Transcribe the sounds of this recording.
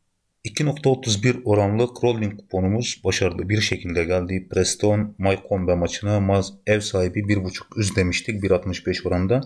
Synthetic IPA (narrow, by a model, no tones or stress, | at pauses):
icʰino̞k̚t̪ʰaot̪ʰuzbiɾo̞ɾanlˠɯkɾo̞lʲːiŋkʰu̥pʰo̞numuz̥baʃaɾɯlˠɯbiɾʃe̞cʰilʲd̪ɛɟælʲd̪iːpɾɛst̪ʰo̞nmajkʰonvɛmat͡ʃʰɯnamazɛvsaːhibibiɾbut͡ʃʰu̥kyzd̪e̞miʃt̪ʰic̚biɾat̪mɯʃbɛʃo̞ɾand̪a